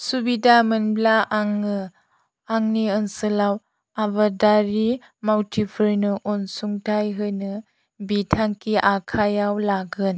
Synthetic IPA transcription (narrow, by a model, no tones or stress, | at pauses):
subidamɯnblaʔaŋːɯ | aŋniɯnsɯlaw | abadaɾi | mawtʰipʰɯɾnɯʔɔnsuŋtʰajɦɯjnɯ | bitʰaŋkiʔakʰajawlaɡɯn